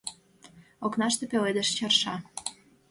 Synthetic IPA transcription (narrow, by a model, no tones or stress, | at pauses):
oknɑʃt̪epeled̪eʃt͡ɕɑrʃɑ